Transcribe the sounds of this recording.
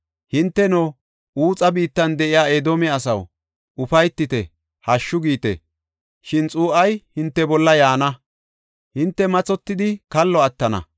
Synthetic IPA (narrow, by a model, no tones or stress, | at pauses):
hɪnt̪ːɛnɔ | uːt͡sʼɐbiːt̪ːɐnd̪ɛʔɪjaːeːd̪oːmɛɐsɐ̰w | ʊfɐjt̪ːɪt̪ɛ | hɐʃːʊɡiːt̪ɛ̰ | ʃɪnt͡sʼuːʔɐjhɪnt̪ːɛbɔlːɐjaːnɐ | hɪnt̪ːɛmɐt͡sʼɔt̪ːɪd̪ɪkɐlːɔɐt̪ːɐnɐ̰